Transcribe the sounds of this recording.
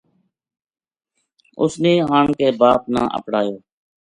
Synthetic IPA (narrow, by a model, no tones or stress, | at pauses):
ʊ̰snẽːɦaːɳkeːbaːp̚nã̰ːʔə̰pɽaːjoː